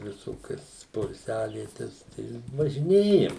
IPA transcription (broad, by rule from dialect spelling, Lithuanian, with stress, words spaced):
ʋʲɪˈsoːkʲɛs poːɪlʲˈsʲæːʋʲiɛtʲɛs tɐɪ ʋɐʒʲɪˈnʲeːjɛm